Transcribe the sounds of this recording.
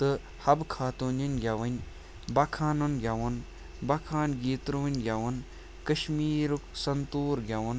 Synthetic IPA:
t̪ɨ | hɐbkʰaːt̪uːnɐnʲɡʲjɐʋɐnʲ | bɐkʰaːnɐnɡʲjaʋɐn | bɐkʰaːnɡiːt̪ɾuʋɐnʲɡʲaʋɐn | kɐʃmiːɾuksɐnt̪uːɾɡʲɐʋɐn

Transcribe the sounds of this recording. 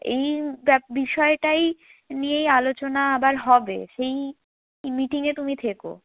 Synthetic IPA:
ejbɛbiʃɔeʈaj | nijejalot͡ɕonaabaɾɦɔbḛʃej | miʈiŋet̪umit̪ʰeko̰

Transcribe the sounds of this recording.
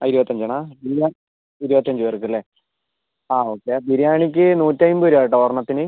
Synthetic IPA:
iɾubɐt̪ːɐɲd͡ʑɐɳaːbija | iɾubɐt̪ːɐɲd͡ʑɨʋɐrɨk̬ːɐlːe | aːo̞ːkːebiɾjaːɳik̬ʲːɨnuːtːajumbɨoɾaːjiʈːɐɐrɳːɐt̪ːinɨ

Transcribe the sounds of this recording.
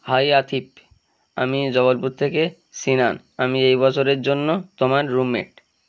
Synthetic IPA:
hajat̪ʰip̚ | a̰mid͡ʑɔβolpuɾt̪ʰeke | ʃinan | amiejbɔt͡ɕʰoɾeɾd͡ʑonːot̪omaɾːumːḛʈ

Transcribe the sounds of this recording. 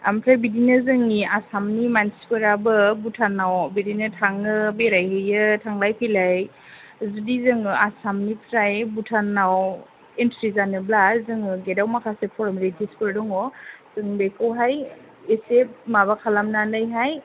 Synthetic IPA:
a̰mpʰɾajbidinɯzɯŋniasamnimanskɯɾabɯbutʰanːawbidinɯtʰaŋɯbeɾajɦɯjɯtʰaŋlajpʰilaj | zudizɯŋɯasamnipʰɾajbutʰanːaw | entɾizanɯblazɯŋɯɡedawmakʰasepʰɔɾmilitʰispɯɾdɔŋɔz̥ɯŋbekɯwɦaj | esep̚maβakʰalamnanɯjɦaj

